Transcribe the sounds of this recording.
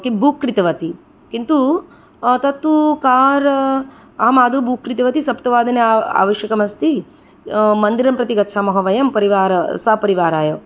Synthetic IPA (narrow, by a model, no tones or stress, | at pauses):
kibʱukːɾit̪ɐʋɐt̪i | kint̪u | t̪ɐt̪ːukaːɾ | aːmaːd̪ʱubukːɾit̪ɐʋɐt̪isɐpt̪ɐʋaːd̪ɐna̰ːʋɐʃjɐkɐmɐst̪i | mɐnd̪iɾɐmpɾɐt̪iɡɐtːʃʰaːmɐɦɐʋɐjɐmpɐɾiʋaːɾsapɐɾiʋaːɾaːjoː